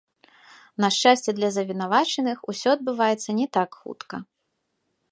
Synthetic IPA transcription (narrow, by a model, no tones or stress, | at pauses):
nɐʂt͡ʂasʲt͡sʲɛd̪lʲɐzɐvʲinavat͡ʂɛnɨxusʲɔɐd̪̚bɨvajɛt̪sːɐnʲɛt̪akxṵt̪kɐ